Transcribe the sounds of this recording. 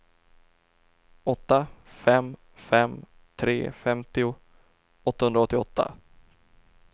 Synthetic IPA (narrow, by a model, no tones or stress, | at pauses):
ɔt̪ːafɛm | fɛm | t̪ʰɾeːfɛmt̪ɪʊ | ɔt̪ːahɵnɾɔt̪ːɪɔt̪ʰːa̰